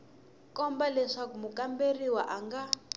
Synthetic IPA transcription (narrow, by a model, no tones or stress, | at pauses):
kɔmbalɛʂakumukamberiwaʔaŋɡa